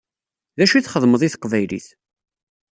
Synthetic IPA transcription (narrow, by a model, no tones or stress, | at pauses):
ðæʃuiθχəðˤməðˤiθqvæjlḭθ